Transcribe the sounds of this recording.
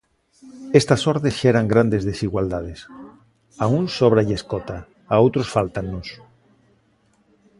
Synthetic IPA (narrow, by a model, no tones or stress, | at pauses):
est̪asoɾðesʃeɾaŋɡɾand̪ezðesiɣwald̪að̞es | aunsːoβ̞ɾaʎeskot̪a | aowt̪ɾosfalt̪anːos